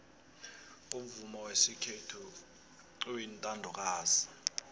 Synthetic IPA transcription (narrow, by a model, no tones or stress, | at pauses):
um̩vumɔwesikʰetʰu | wintʼandʱɔk̬ʼaːzi̥